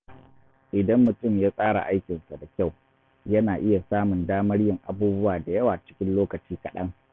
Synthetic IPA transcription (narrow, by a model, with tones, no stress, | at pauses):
ʔɪ˨dɐ˦mːʊ˨tʊ˦˨mjaː˦sʼaː˦ɽa̰˨ʔa˦jkʲɪ˨nsa˨da˨kʲa˦˨w | jɐ˦naː˨ʔɪ˦ja˨saː˦mʊ˨ndaː˦mɐ˦ɽjɪ˦˨ŋʔa˨buː˦bʊ˦waː˨da˨jɐ˦waː˨t͡ʃɪ̥˦kʲɪ˦nloː˦kɐ˨t͡ʃiː˦kɐ˨ɗɐ˦ŋ